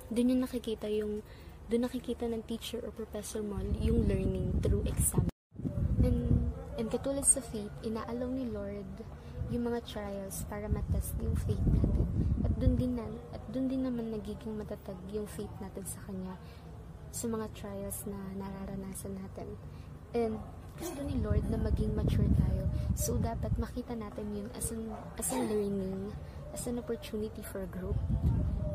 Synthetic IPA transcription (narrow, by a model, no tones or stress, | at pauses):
d̪ʊnɲʊŋnɐkɪkiːt̪ɐjʊŋ | d̪ʊnːɐkɪkiːt̪ɐnɐŋt̪iːt͡ʃɛɹʔopɹofɛsoɹmoljʊŋlɛɹnɪŋt̪ɾuʔɛksam | ʔɛnʔɛnd̪̚kɐt̪uːlɐd̪̚sɐfejt̪ʔɪnaːʔɐlownɪlo̞ɹd̪ | jʊŋmɐŋat̪ɹajɛlspaːɾɐmɐt̪ɛst̪jʊŋfejt̪̚naːt̪ɛnʔɐt̪̚d̪ʊnd̪ɪnanʔɐt̪̚d̪ʊnd̪ɪnːɐmanːɐɡiːɡɪŋmɐt̪ɐt̪aɡjʊŋfejt̪naːt̪ɪnsɐkɐɲːa | sɐmɐŋat̪ɹajɐlsnɐnɐɾaɾɐnaːsɐnːaːt̪ɛn | ʔɛnd̪ | ɡ̥ʊst̪onɪlo̞ɹd̪̚nɐmɐɡɪŋmɐt͡ʃuɹt̪aːjosowd̪aːpɐt̪̚mɐkiːt̪ɐnaːt̪ɪnjʊnʔɐ̰sɐnʔɐsɐŋlɛɹnɪŋ | ʔɐsɐnʔopoɹt̪uːnɪt̪ifɔɹɡɹup̚